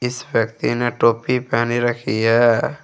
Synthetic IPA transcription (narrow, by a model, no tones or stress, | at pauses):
ɪswjəkt̪ineʈoːpipaːniɾəkʰiɦɛː